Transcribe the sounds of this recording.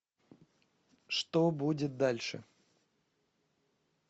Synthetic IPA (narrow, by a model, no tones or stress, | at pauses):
ʂt̪obudʲɪt̪̚d̪alʲʂɨ̰